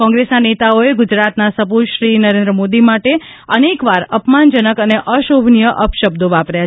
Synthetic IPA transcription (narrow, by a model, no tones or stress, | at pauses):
kɔ̃ŋɡɾesnanet̪aoeɡʊd͡ʒɾat̪nasəpuʃɾinəɾẽnd̪ɾəmod̪imaʈe | ənekʋaɾəpmand͡ʒənəkəneʔəʃobʱnijəʔəpʃəb̚d̪oʋapɾja